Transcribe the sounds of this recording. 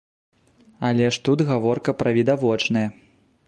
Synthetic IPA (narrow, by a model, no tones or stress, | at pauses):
alʲɛʂt̪ud̪ɣavɔrkɐpɾɐvʲid̪avɔt͡ʂnɐjɐ